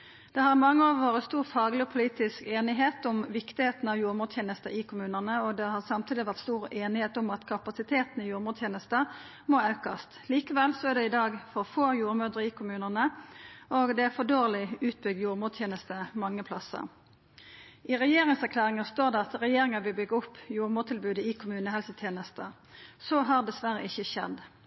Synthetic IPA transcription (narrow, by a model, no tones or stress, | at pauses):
d̪̥ɛhɑʁmɑŋːəɑʋʋoːʁəst̪uːʁfɑːɡlɪɔpʰʊliːt̪ɪskeːnɪɦeːt̪ʊmʋɪkt̪ɪheːt̪n̩ɑʋjuːɾmuːd̪t̪ʰeːnəst̪əʔɪkʰʊmʉːnənəɔd̪ɛhɑʁsɑmt̪ʰiːd̪ɪʋæʁt̪st̪uːʁeːnɪheːt̪ʊmɑt̪kʰɑpɑsɪt̪ʰeːt̪nɪjuːɾmuːd̪t̪ʰeːnəst̪ə | mɔɑʉkɑst̪liːkəʋɛlsɔæʁd̪ɛɪd̪ɑːɡfɔʁfoːjuːɾmœd̪ʁəɪkʰʊmʉːnənəʔoːɡd̪ɛfɔd̪oːʁlɪʉːt̪̚bʏɡjuːʁmuːd̪t̪ʰjeːnəst̪əmɑŋːəpʰlɑsə̰ʁ | ɪʁɛjeːʁɪŋsæʁkʰlæːʁɪŋɑst̪oːʁd̪ɛɑt̪ʁɛjeːɾɪŋɑbɪbʏɡʊpːjuːʁmuːt̪ʰɪlbʉːd̪əɪkʰʊmʉːnəhɛlsət̪ʰjeːnəst̪ə | sɔːɦɑːʁd̪ɛsʋæʁəɪçːəʃɛ̰d̪